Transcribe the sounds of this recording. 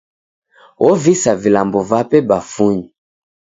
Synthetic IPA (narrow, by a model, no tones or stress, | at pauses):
wʔɔvisavilambɔvapɛbafuɲi